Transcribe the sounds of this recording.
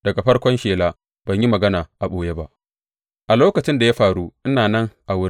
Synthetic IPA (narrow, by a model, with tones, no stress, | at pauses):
d̥ɐ˨ɡa˨ɸɐ˦rkʷɔ˦nʃeː˨laː˦ | b̥ɐ˨ɲji˦mɐ˨ɡɐ˦naː˨ʔa˨ɓoː˨je˦ba˦ʔ | ʔa˨loː˦kɐ˨t͡ʃɪ˦nda˨ja˦ɸaː˨ɽuː˦ʔɪ˦naː˨nɐ˦ŋʔa˨wʊ˦ɾ